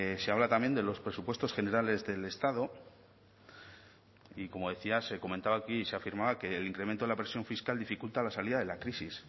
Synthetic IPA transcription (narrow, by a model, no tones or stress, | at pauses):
se̞aβ̞lat̪ambje̞nd̪e̞lo̞spɾe̞supwe̞st̪o̞sχe̞ne̞ɾale̞zðe̞le̞st̪aðo̞ | iko̞mo̞ðe̞θiase̞ko̞ment̪aβaːkiːseafiɾmaβake̞ːliŋkɾe̞ment̪oeapɾesjo̞ɱfiskald̪ifikult̪alasaliðaðe̞lakɾisis